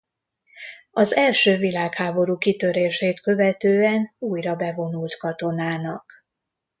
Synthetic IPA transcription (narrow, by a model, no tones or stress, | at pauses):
ɒzɛlʃøːvilaːkhaːbo̞ɾuːkit̪ø̞ɾeːʃeːt̪kø̞vɛt̪øːɛnuːjrɒbɛvo̞nult̪kɒt̪o̞naːnɒk